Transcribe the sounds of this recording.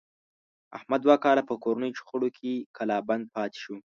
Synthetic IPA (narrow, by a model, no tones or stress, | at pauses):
a̰hmad̪ːwakɑlapəkoɾanəjt͡ʃxəɽokʰekʰalɑband̪̚pɑt̪e̥ʃu